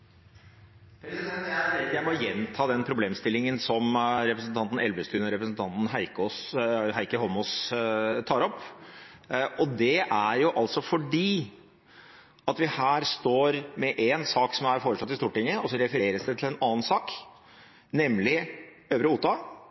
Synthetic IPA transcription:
pʰɾɛsɪd̪ɛnt̪jæeɪt̪jæɪmɔjɛnt̪ʰɑːd̪ɛnpʰɾʊbleːmst̪ɪlːɪŋənsɔmɾɛpɾəsn̩t̪ʰɑnt̪n̩ɛlbəst̪ʉːnɔɾɛpɾəsn̩t̪ʰɑnt̪n̩hæɪkɔsɦæɪkəhɔmɔst̪ʰɑːɾɔpː | ɔd̪ɛʔæɾjʊʔɑlsɔfɔɖiː | ɑt̪ʋɪhæːɾst̪oːɾmɛʔɛnsɑːksɔmæɾfoːɾəʂlɑt̪ːɪst̪uːʈɪŋːəɔsɔɾɛfəɾeːɾəsd̪ɛt̪ʰɪlɛnɑːn̩sɑːk | nɛmlɪ | øːʋɾəuːt̪ɑ

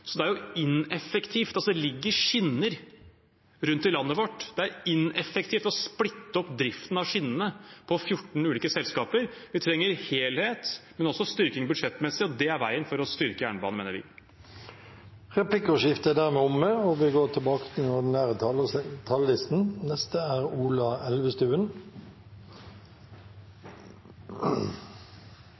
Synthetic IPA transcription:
sɔd̪ɛæɾjʊɪnɛfɛkt̪ʰiːft̪ɑlsɔd̪ɛlɪɡːəɾʂɪnːəɾ | ɾʉnt̪ːɪlɑnːəʋɔʈːd̪̥ɛæɾɪnɛfɛk̚t̪ʰiːft̪ɔsplɪt̪ːəɔpːd̪ɾɪft̪n̩ɑʋʂɪnːənəpʰɔfjʊʈːɳ̩ʉːliːkəsɛlskɑːpəɾʋɪt̪ʰɾɛŋːəɾheːlheːt̪mɛnɔsːɔst̪ʏɾkɪŋbʉd̪ʂɛt̪ːmɛsːɪɔd̪ɛæɾʋæ̰ɪənfɔɾɔst̪ʏɾkəjæ̰ːɳəbɑ̰ːnmeːnəɾʋɪ̰ | ʁɛpʰlɪkːɔʃɪft̪əæd̪æːɾmɛːɔmːɛɔʋɪɡoːʈ̪ʰɪlbɑːkə̥t̪ʰɪlnɔnæːɾət̪ʰɑət̪ʰɑllɪst̪n̩nɛst̪əæːɾuːlɑɛlʋəst̪ʉːən

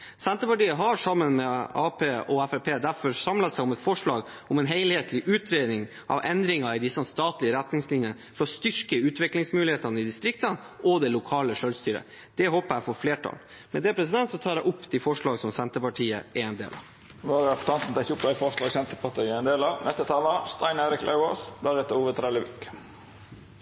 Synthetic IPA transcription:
sɛnt̪əpɑʈiːəɦɑʂɑmːənmɛɑːpʰeːɔæfɛpʰeːd̪æɾfɔɾsɑmlɑsæɪɔmɛt̪fɔʂɭɑːɡ | ɔmɛnɦeɪlheːt̪ʰlɪʔʉːt̪ɾeːd̪nɪŋ | ʔɑ̰ʋʔɛnd̪ɾɪŋɑɪd̪ɪsːst̪ɑːt̪lɪəɾæt̪nɪŋslɪnjənəfɔɾɔst̪ʏɾkəʉːt̪ʋɪklɪŋsmʉːlɪheːt̪ɑnəɪd̪ɪst̪ɾɪk̚t̪ən | ʔɔd̪ɛlʊkʰɑːləʂœlst̪yːɾə̰ | d̪̥ɛhoːpəɾæfɔɾfleːʈʰɑ̰ːl | mɛd̪ɛpʰɾɛs̬ɪd̪ɛnt̪sɔt̪ʰɑːɾæɪʔʊpːd̪ɪfɔʂɭɑːɡəsɔmsɛnt̪əpɑʈʰiːə̰ʔɛɛnd̪ḛːlɑ̰ʋ | ʋɑʁɑpɔ̥t̪ʰɑnsn̩t̪ɑɪçʊpd̪æɪfɔʁʂlɑːɡsɛnt̪əpʰɑʈiːɛnd̪eːlɑʋnɛst̪ət̪ʰɑːləst̪ɑɪneːɾɪklʔæ̰o̰ːsd̪æɾɛt̪əɾuːʋət̪ʰɾɛləʋɪ̰k

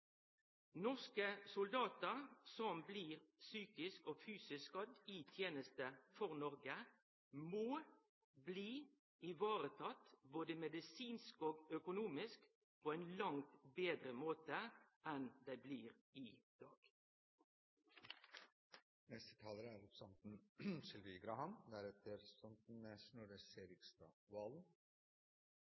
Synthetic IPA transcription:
nɔʁskəsʊld̪ɑːt̪əʁsɔmbliːʁsyːkɪskoːfyːsɪskɑd̪iːt̪ʰjeːnəst̪əfɔʁnɔʁɡə | moː | bliː | ɪʋɑːʁət̪ʰɑt̪boːd̪əmɛd̪ɪsiːnskoːɡœkʊnuːmɪsk | pʰoːɛɪnlɑŋt̪beːd̪ɾəmoːt̪əɛnd̪æɪbliːʁ | ɪd̪̥ɑːɡ̥ | nɛst̪ə̥t̪ʰɑːləɾəæɾʊsɑnt̪n̩sɪlʋiɡɾɑhɑnd̪æɾɛt̪ʰəɾsɔnt̪n̩ɛʂnɑɾəseːɾɪkst̪ɑ̰ːʋɑln

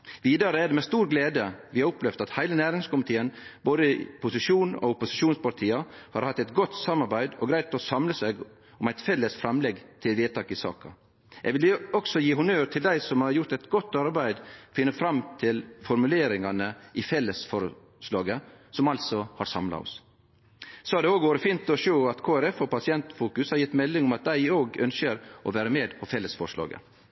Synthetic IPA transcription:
ʋiːd̪ɑɾəɛɖɛmɛst̪uːɾɡleːd̪əʋɪhɑɾʊplɛʋd̪ɑt̪hæɪlənæːɾɪŋskʊmɪt̪ʰiːənboːd̪əpʊsɪʂuːnɔ̰ʊpʊsɪʃuːnspɑɾʈ̪ʰiːɑhɑɾhɑt̪ːɛɪt̪ɡɔt̪sɑmːɑɾbæɪd̪ɔɡɾæɪt̪ɔsɑmləsæɪɡ | ɔmæɪt̪fɛlːəsfɾɑmlɛɡt̪ʰɪlʋeːt̪ɑːkɪsɑ̰ːkɑ̰ | ʔɛɡʋɪlɔksɔjiːhʊnøːɾt̪ʰɪld̪æɪsɔmhɑɾjʊɾt̪ɛɪt̪ɡɔt̪ːɑɾbæɪd̪fɪnːəfɾɑmt̪ʰɪlfɔɾmʉleːɾɪŋɑnəʔɪfɛlːəsfɔɾ | ʂlɑːɡəsɔmɑlsɔhɑɾsɑmlɑ̰ɔ̰s | sɔɑd̪ɛoːɡʋoːɾəfiːnt̪ɔʃøʊɑt̪kʰoːæɾɛfɔpʰɑsɪɛnt̪fuːkʉshɑɾjɪt̪ːmɛlːɪŋɔmɑt̪̚d̪æɪoːɡœnsəɾʔɔ̰ʋæːɾəmeːd̪pʰɔfɛlːəsfɔʂlɑ̰ːɡə̰

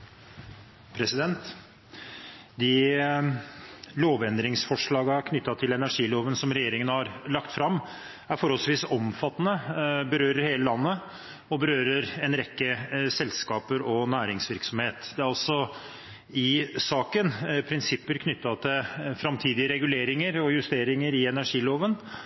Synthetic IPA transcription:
pʰɾɛsɪd̪ɛnt̪ | d̪ɪ | loːʋɛnd̪ɾɪŋsfɔʂɭɑːɡɑkʰnʏt̪ːɑt̪ʰɪlɛnæʂiːloːʋənsɔmɾɛjeːɾɪŋənəhɑɾlɑkt̪fɾɑmː | æɾfɔɾɔlsʋiːsɔmfɑt̪ːnəbəɾøːɾəɾheːləlɑnːə | ɔbəɾøːɾəɾɛnɾɛkːəsɛlskɑːpəɾɔnæːɾɪŋsʋɪɾksɔmheːt̪d̪ɛæɾɑlsɔ | ɪsɑːkənpʰɾɪnsɪpːəɾkʰnʏt̪ːɑt̪ʰɪlfɾɑmt̪ʰiːd̪ɪəɾɛɡʉleːɾɪŋəɾɔjʉst̪eːɾɪŋəɾɪɛnæʂiːloːʋən

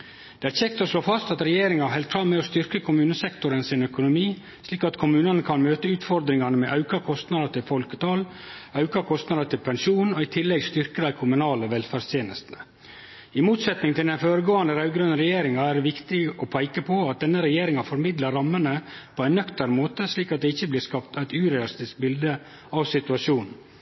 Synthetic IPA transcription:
d̪̥ɛæɾçɛkt̪ɔʂloːfɑst̪ɑt̪ɾɛjeːɾɪŋɑɦɛlt̪fɾɑmmɛɔst̪ʏɾkəkʰʊmʉːnəsɛkt̪ʊɾənsɪnœkʊnʊmiː | sliːkɑt̪kʰʊmʉːnənəkʰɑnmøːt̪əʉːt̪fɔɾd̪ɾɪŋɑnəmɛʔɑʉkɑkʰɔst̪nɑd̪əʈ̪ʰɪlfɔlkə̥t̪ʰɑːl | ɑʉkɑkʰɔst̪nɑd̪ət̪ɪlpʰɛnʃuːnɔɪt̪ʰɪlːɛɡst̪ʏɾkəd̪æɪkʰʊmʉnɑːləʋɛlfæːɾst̪ʰjeːnəst̪nə | ɪmuːt̪sɛt̪nɪŋt̪ʰɪld̪ɛnfoːɾəɡoːɑnd̪əɾɑʉɡɾœnəɾɛjeːɾɪŋɑæɖɛʋɪkt̪ɪɡəʔɔpʰæɪkəpʰɔɑt̪̚d̪ɛnːəɾɛjeːɾɪŋɑfɔɾmɪd̪ləɾːɑmːənəpʰɔæɪnːœkt̪əɾəmoːt̪əsliːkɑt̪̚d̪ɛɪçːəblɪːɾskɑpt̪æɪt̪ʉːɾɛlɪst̪ɪsk̚bɪld̪ə | ɑʋsɪt̪ʉɑʂuːnn̩

